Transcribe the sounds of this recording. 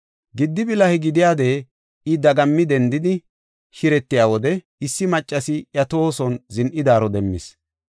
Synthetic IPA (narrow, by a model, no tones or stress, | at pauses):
ɡɪd̪ːɪbɪlɐhɪɡɪd̪ɪjaːd̪e̞ː | ɪd̪ɐɡɐmːɪd̪ɛnd̪ɪd̪ɪ | ʃɪɾɛt̪ːɪjaːwɔd̪ɛ | ɪsːɪmɐt͡ʃʼːɐsɪjɐt̪oːsɔnzɪnʔɪd̪aːɾɔd̪ɛmːɪ̰s